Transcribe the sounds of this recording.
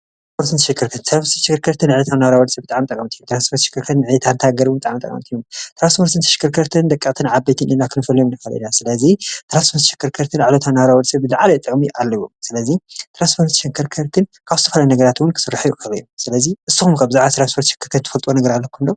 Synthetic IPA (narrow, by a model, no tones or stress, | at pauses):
aspʰoɾt̪ɨnt̪ɨʃɪkʰːɨɾt̪ʰɐnsɨɾat̪ʃɪkɾkʰɐɾt̪ʰɨnʕlot̪ʰamnaβɾawɐlsɐbɨt̪ʼaʕmt̪ʼɐkʼɐmt̪ʰijut̪ɾanspʰoɾt̪ʃɪ̥kʰːɨɾkʰɐt̪nʕjɛt̪ʰant̪ʰaɡɐɾwmbɨt̪ʼaʕmt̪ʼɐ̰kʼɐ̰mt̪ʰijumt̪ɾanspʰoɾt̪ɨnt̪ʰɨʃɪ̥kːɨɾkʰɐɾt̪ʰɨnd̪ɐkʼːɨkʼt̪ʰɨnʕabejt̪ʰɨnʔinakʰɨnɨfɐljomnɨkalḭnasɨlɐzit̪ʰɾanspʰoɾt̪ːʃɪ̥kʰːɐɾkʰɐɾt̪ʰɨnʕlot̪ʰamnaβɾawɔlsɐbːɨzɨʕalɐt̪ʼɨkʼmiʔalːɐβomsɨlɐzit̪ʰɾanspʰoɾt̪ʃɐkʰɐɾkʰɐɾt̪ʰɨnkʰaβzɨt̪ʰɐfɐlajunɐɡɐɾat̪wʊnkʰɨsɨrːaħjukʰɐljomsɨlɐziʔɨsːuxumkʰaβzaʕast̪ɨɾanspʰoɾt̪ʃɪ̥kʰːɨɾt̪ʰɐt̪ʰɨfɐlt̪ʼwonɐɡɐɾalːɐkʰund̪o